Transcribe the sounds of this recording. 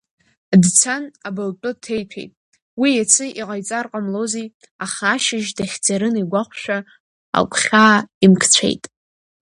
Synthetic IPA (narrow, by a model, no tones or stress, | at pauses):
dt͡sʰanabɨlt͡pʷʼʊtʰe̞jpʰejtʼ | wijat͡sʰɨʔiʁajt͡sʼarqʼamlozij | aχaːʃɪʒdaχʲd͡zaɾɨniɡʷaχʷʃᶣa | a̰kʷʼχʲaːimkʰt͡sʷʰḛjtʼ